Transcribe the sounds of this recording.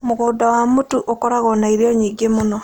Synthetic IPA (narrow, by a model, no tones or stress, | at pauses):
moɣoːdawamutuʔokɔɾaɣɔnaiɾjɔɲiːɡemonɔ